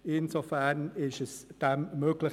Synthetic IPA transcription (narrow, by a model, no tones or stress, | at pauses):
ɪnzofæʁnɪʃɛsd̥ɛmmøːɡlɪ